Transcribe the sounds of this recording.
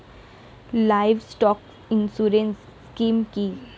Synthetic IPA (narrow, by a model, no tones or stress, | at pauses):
laɪʋsʈɔːk | ɪnsuɾensːkiːmki